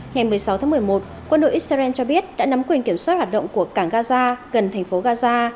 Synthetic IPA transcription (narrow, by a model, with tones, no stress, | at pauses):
ŋa˨˩jmɨ˨˩əjsa˨˦wt̪ʰaː˨˦m˨˩əjmo˨˩t̚ | kwə˧nɗo̰˧˨ʔi˦˥sa˧ɛ˧nt͡ɕɔ˧ɓi˦˥ət̚ɗa̰ː˧˥na˨˦mkwi˨˩ənki˧˩əmswa˦˥t̚hwaː˨˩t̚ɗə̰˧˨ŋ͡mku˧˩əkaː˧˩ŋɣaː˧zaː˧ɣə˨˩nt̪ʰŋ̟fo˨˦ɣaː˧zaː˧